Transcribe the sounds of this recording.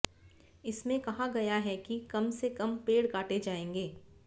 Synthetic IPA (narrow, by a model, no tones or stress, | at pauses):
ɪsmẽkɐɦaɡɐjaɦɛkikɐmsekɐmpeːɽkaːʈed͡ʒaːẽːŋɡeː